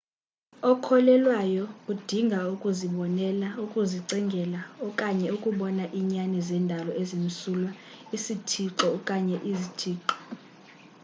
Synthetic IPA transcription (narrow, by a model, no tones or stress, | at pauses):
ɔkʰɔlɛlwajɔkud̥ʱiŋɡʱaukʼuziɓɔnɛlaukʼuziǀɛŋɡʱɛlaɔkʼaɲɛukʼuɓɔnaʔiɲanizɛndʱalɔʔezin̩sulwa | isitʰiǁɔkʼaɲɛʔizitʰiːǁɔ̥